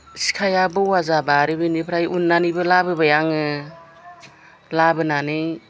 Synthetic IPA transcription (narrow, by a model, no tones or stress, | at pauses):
si̥kʰajabɯwazabaɾɯbɯnipʰɾajunːanibɯlabɯbajaŋɯ | labɯnanɯj